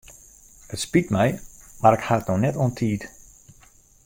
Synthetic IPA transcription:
ətspitmɛjmaɾɪkhaətnɔnɛtontʰiːt

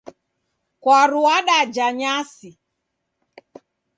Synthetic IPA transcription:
kwaɾuaɗad͡ʒaɲasi

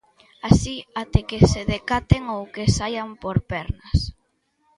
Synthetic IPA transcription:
asiat̪ekeseðekat̪eŋowkesajampoɾpɛɾnɐs

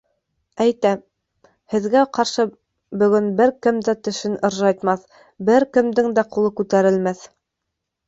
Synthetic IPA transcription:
æjt̪æ | hɘ̆ðɡæqɑɾʃɤ | bɵ̆ɡɵnbɘɾkɘ̆md̪æt̪ɵ̆ʃɘnɤ̆ɾʒɑjt̪mɑθ | bɘɾkɘ̆md̪ɘŋd̪æqulˠɤkʉt̪æɾɘ̆lmæθ

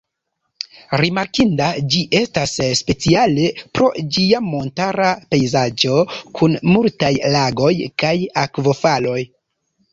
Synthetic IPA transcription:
ɾimaɾkindad͡ʒiʔe̞stasspe̞t͡siale̞pɾo̞d͡ʒiamo̞ntaɾape̞jzad͡ʒo̞kʰunmultajlaɡo̞jkajakvo̞falo̞j

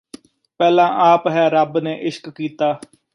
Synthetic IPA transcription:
pɛːlãːʔaːpɦɛːɾəbneːʔɪʃkːiːt̪aː

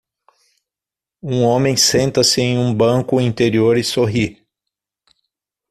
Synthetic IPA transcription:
ũõmẽj̃sẽnt̪ɐsɪẽj̃ũbɐ̃kʊĩnt̪eɾioɾɪsoɦi

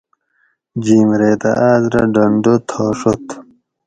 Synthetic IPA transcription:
d͡ʑiːmɾeːt̪ɐ̰ʔaːzɾɐ̰ɖɐɳɖot̪ʰoːʂot̪

